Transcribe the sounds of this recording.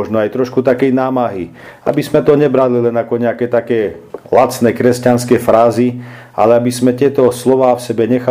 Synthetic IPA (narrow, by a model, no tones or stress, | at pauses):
ɔʒnɔajt̪ɾɔʃkut̪akɛjnaːmaɦi | a̰bizmɛt̪ɔɲɛbɾalilɛnakɔɲɛakɛt̪akɛːlat͡snɛkɾɛscanskɛfɾaːzi | ʔa̰lɛabizmɛt̪ɪɛt̪ɔslɔʋaːfsɛbɛɲɛxa